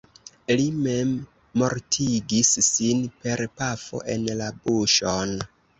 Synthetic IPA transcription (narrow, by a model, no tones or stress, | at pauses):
lime̞mː | o̞ɾtʰiɡisːinpe̞ɾpafo̞̰ʔe̞nlabuʃon